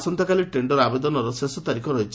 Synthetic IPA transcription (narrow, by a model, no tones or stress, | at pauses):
sɔnt̪ɔkaliʈeɳɖɔɾabed̪ɔnɔɾɔsesɔt̪aɾikʰɔɾɔɦit͡ʃʰi